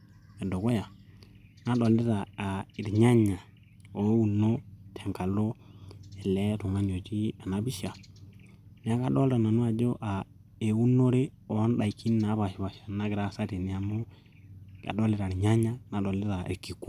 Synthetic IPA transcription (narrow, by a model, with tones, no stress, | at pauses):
e˨do˨ko˦ja˨ | na˦ɗo˨le˦ta˨a˨i˨ɾɲa˦ɲa˨ | o˦wu˨nːo˦tʰe˨ŋka˨lo˦ɛ˨le˦tu˨ŋa˦n˨o˨ti˦a˨na˦bi˦ʃa˨ | ne˨˦a˦ka˦˨ɗo˦lta˨na˨nu˦a˨d͡ʒo˦ʔa˨ | e˨wu˦nːo˦ɾe˦ | o˨˦n˦ɗa˨i˨ki˦n˦na˨˦βa˨ʃi˨βa˨ʃḁ˨na˦ɡɾa˦˨sa˦te˨ni˨ja˨mo˦ | ka̰˨ɗo˦le˦ɾa˨ɾɲa˦ɲa˦na˨ɗo˨le˦ta˨ḛ˨ɾki˨kː